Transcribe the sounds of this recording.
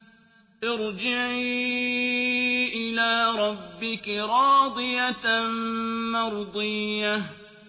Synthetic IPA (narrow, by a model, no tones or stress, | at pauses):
ʔɪɾd͡ʒɪʕi | ʔɪlaːɾˤɑbːɪkɾˤɑːd̪ˤɨjanmɑɾˤd̪ˤɨjːa